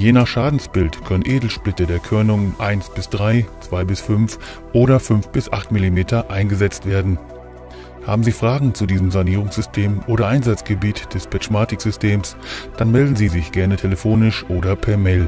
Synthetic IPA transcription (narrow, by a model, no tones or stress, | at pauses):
jeːnaχʃaːdn̩sb̥ɪltkʰœnənʔeːdl̩ʃplɪtədeːɐkʰʏɐnʊŋənʔaɪnsb̥ɪsd̥ʁaɪt͡sv̥aɪbɪsfʏnf | ʔoːɾɐfʏnfb̥ɪsʔaχtmɪlimeːtʰɐʔaɪnɡəzɛt͡stv̥eːɐdn̩ | ha̰ːbm̩ziːfʁ̥aːɡŋ̩t͡sudiːzəmzaniːʁ̞ʊŋsz̥ʏstʰeːmʔoːɾɐʔaɪnzat͡sɡ̥əbiːtd̥ɛspɛt͡ʃmaːtɪkz̥ʏstʰeːmsd̥anmɛldn̩ziːzɪçɡ̥ɛɐnətʰeləfoːnɪʃʔoːɾɐpʰɛɐmɛːl